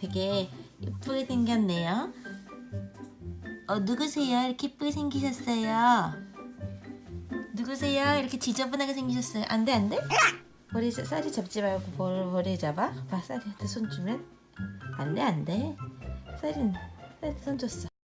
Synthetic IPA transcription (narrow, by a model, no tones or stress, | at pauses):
teɡeḭp͈ɯɡisʰeŋɡjʌnːejo | ʌnuɡɯsʰejaiɾʌkʰeip͈ɯɡisʰeŋɡiɕ̬ʰʌs͈ʌjo | nuɡɯsʰejaiɾʌkʰet͡ɕid͡ʑʌbunaɡesʰeŋɡiɕ̬ʰʌs͈ʌjo̰ʔandeande̞ | pʌɾisas͈aɾit͡ɕʌp̚t͡ɕ͈ibajɡopopʌɾed͡ʑabapas͈aɾitɯsʰont͡ɕumjʌn | ande̞ande̞ | s͈aɾins͈ʰaɾitɯsʰond͡ʑʰʌs͈ʌ